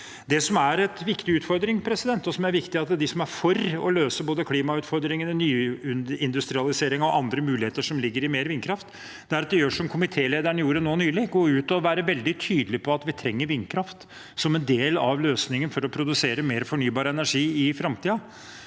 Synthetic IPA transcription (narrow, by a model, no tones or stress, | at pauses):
d̪ɛsɔmæɾɛt̪ʋɪkt̪ɪʉːt̪fɔɾd̪ɾɪŋpʰɾɛsɪd̪ɛnt̪ːɔsɔmæɾʋɪkt̪ɪɑt̪̚d̪ɛd̪ɪsɔmæɾfɔrɔ̰løːsəboːd̪əkʰliːmɑʉːt̪fɔɾd̪ɾɪŋənnyːʉnɪnd̪ʉst̪ɾɪɑlɪseːɾɪŋɔʔɑnd̪ɾəmʉːlɪheːt̪əʂɔmlɪɡːəɾɪmeːɾʋɪnkʰɾɑft̪ | d̪ɛæɾɑt̪̚d̪ɛjøːʂɔmkʰʊmɪt̪ʰeːleːd̪æɳəjuːɾənoːnyːlɪɡoːʉːt̪ɔʋæːɾəʋɛld̪ɪt̪ʰyːd̪lɪpʰɔɑt̪ʋɪt̪ʰɾɛŋːəɾʋɪnkʰɾɑft̪ | sɔmɛnd̪eːlɑʋløːsnɪŋənfɔɾɔpʰɾʊd̪ʉseːɾəmeːɾfɔɳyːbɑːɾəɛnæʂiːɪfɾɑmt̪iːɑ